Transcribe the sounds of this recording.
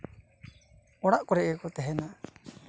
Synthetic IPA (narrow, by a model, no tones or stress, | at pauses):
ɔɽaʔkɔɾɛʔɛkɔt̪ɛɦɛna